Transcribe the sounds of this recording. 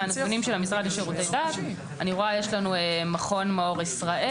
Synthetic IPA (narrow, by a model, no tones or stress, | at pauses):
anekunimʃelhamisʁadiʃaʁut̪ejd̪at | aniʁoajeʃlanuemaχo̞nmeo̞ʁisʁaʔe